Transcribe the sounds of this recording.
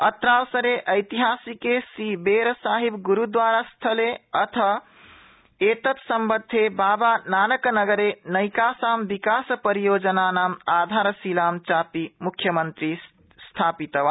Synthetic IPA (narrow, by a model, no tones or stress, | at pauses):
ət̪ɾawsəɾeʔəjt̪iɦasikesibeɾsaɦibɡuɾud̪ʋaɾast̪ʰəleət̪ʰə | et̪ət̪səmbəd̪ʱːebaːbananəknəɡəɾenəjkasambikaspəɾijod͡ʒənanaːmad̪ʱaɾsilamt͡ʃapimukʰːjəmənt̪ɾi | st̪ʰaːpit̪əʋa